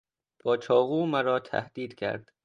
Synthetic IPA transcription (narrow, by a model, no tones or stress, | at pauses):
b̥ɒːt͡ʃʰɒːɣuːmæɾɒːt̪ʰæ̰hd̪̥iːd̪̥cʰæ̰ɾd̪̥